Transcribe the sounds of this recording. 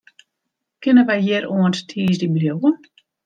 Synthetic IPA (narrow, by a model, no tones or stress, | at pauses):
kɪnəʋɛjjɪəɾuənttʰiːsdibljowə